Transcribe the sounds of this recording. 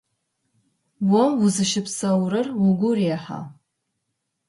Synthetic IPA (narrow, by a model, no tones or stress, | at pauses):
wɔmwʊzɨʃɪpʰsɐwɾɨrwʊɡʷʊreħa̰